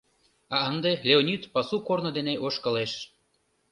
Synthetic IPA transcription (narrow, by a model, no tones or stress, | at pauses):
ɑənd̪elʲeonʲit̪pɑsukornod̪eneʔoʃkɤ̆leʃ